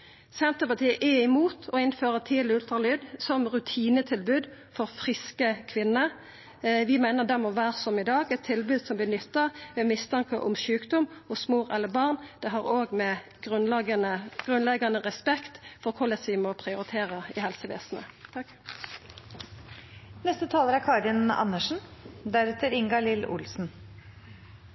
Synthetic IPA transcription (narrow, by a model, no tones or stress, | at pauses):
sɛnt̪əpɑʁt̪ʰiːəʔɛɪmuːt̪ʰɔɪnføːʁət̪ʰiːlɪʉlt̪ʁɑlyːd̪sɔmʁʉt̪ʰiːnət̪ʰɪlbʉːd̪fɔʁfʁɪskəkʰʋɪnːə | ʋɪmæɪnəʁd̪ɛmɔʋæːʁəsɔmɪd̪ɑːɡɛt̪ʰːɪlbʉːd̪sɔmb̪lɪnʏt̪ːɑʋɛːmɪst̪ʰɑŋkəʔʊ̰mʃʉːkd̪ʊmɔsmoːʁɛlːəbɑʁnd̪̥ɛɦɑʁoːɡmɛɡ̥ʁʉnɡənəɡ̥ʁʉnlɛɡɑnəʁɛspɛkt̪fɔʁkʰʊləsʋɪmɔpʰʁɪʊʁɪt̪ʰeːʁəɪhɛlsəʋḛːsn̩ə̰ | nɛst̪ət̪ʰɑːləɾækʰɑɾɪnɑ̰nəʂn̩d̪æɾʉt̪ʰəɾɪŋɡɑlɪlʊ̰lsn̩